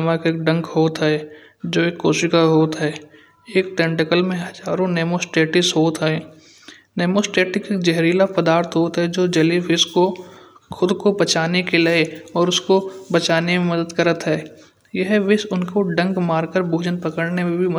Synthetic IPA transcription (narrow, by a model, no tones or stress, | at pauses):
mãkeːk̚ɖɐ̃ŋkɦoːt̪ɦɛː | d͡ʒoːeːkːoːʃɪkaɦoːt̪ɦɛː | eːk̚t̪ɛ̃ɳʈɪkəlmẽɦɐd͡ʒaːɾõneːmosʈeːʈɪsɦoːt̪ɦɛː | neːmoːsʈeːʈɪkek̚d͡ʒɛɦɾiːlapəd̪aːɾt̪ʰɦoːt̪ɦɛd͡ʒoːd͡ʒɐliʋɪskoxʊd̪kobɐt͡ʃaːnekelɐeɔːɾʊskobɐt͡ʃaːnemẽmɐd̪əd̪kəɾət̪ɦɛː | jɐɦʋɪsʊnkoɖɐ̃ŋkmaːɾkəɾbʱuːd͡ʒənpɐkəɽnemẽbʱim